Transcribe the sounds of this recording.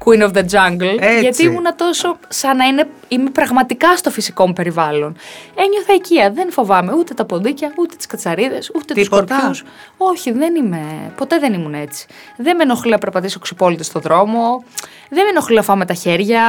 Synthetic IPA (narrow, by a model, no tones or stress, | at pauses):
kwinofðed͡ʒɐŋɡlʝɐt̪iimunɐt̪o̞so̞sɐnɐine̞imepɾɐɣmɐt̪ikɐst̪o̞fisiko̞mupe̞ɾivɐlo̞neɲoθɐiciɐðe̞nfo̞vɐme̞ut̪e̞t̪ɐpond̪icɐut̪e̞t̪i̥skɐt͡sɐɾiðe̞sut̪et̪usoɾpçus | o̞çiðe̞nime̞po̞t̪e̞ðe̞nimune̞t͡si̥ | ðemenoxlinɐpe̞ɾpɐt̪isoksipo̞lit̪ist̪o̞ðɾo̞mo̞ | ðemeno̞xlinɐfɐme̞t̪ɐçe̞ɾʝɐ